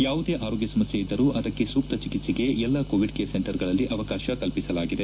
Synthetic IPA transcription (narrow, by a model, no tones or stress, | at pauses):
jaːʋud̪e̞ːʔaːɾoːɡjɐsɐmɐsjɐid̪ːɐɾuːʔɐd̪ɐkːe̞suːk̚t̪ɐt͡ʃikit̪siɡe̞ɛlːɐkoːʋiɖkeːseɳʈɐɾɡɐɭɐlːiʔɐʋɐkaːʃɐkɐlpisɐlaːɡid̪e̞